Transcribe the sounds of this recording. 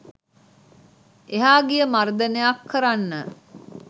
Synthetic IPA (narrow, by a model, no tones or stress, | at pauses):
eɦaːɡijəmard̪ənejakʰːəɾanːə